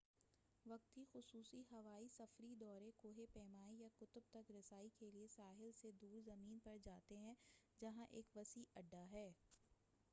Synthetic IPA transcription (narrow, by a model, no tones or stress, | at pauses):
ʋɐk̚t̪ɦixʊsuːsiɦɐʋaːisɐfɾid̪ɔːɾekoːɦepɛːmaːijakʊt̪ʊb̚t̪ɐkɾɐsaːikeliesaːɦɪlsed̪uːɾzɐmiːnpɐɾd͡ʒaːt̪eɦɛ̃d͡ʒɐɦãʔeːkʋɐsiʔɐɖːaɦɛː